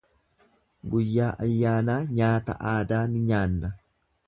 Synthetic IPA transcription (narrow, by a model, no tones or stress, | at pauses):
ɡʊjːaːʔɐjːaːnaːɲaːt̪ɐ̰ʔaːd̪aːnɪɲaːnːɐ